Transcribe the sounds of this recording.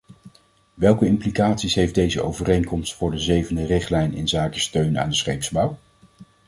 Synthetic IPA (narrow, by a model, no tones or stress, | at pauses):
ʋɛlˠkəɪmplikaːtsisɦejfdejzəo̰wvərejŋkɔmstfʊːɹdəzejvəndərɪχtlɛjnɪ̰nzaːkəstøɥna̰ːndəsχejpzbɑw